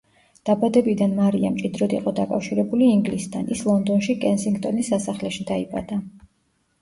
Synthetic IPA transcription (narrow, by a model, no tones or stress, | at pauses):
d̪̥abad̪ɛbid̪anmaɾia̰mt͡ʃʼid̪ɾɔd̪ḭqʼɔd̪akʼafʃiɾɛbuliːŋɡlisd̪ʰa̰nislˠɔnd̪ɔnʃikʼɛnsiŋɡt̪ʼɔnisːasaχlɛʃid̪aipʼa̰d̪a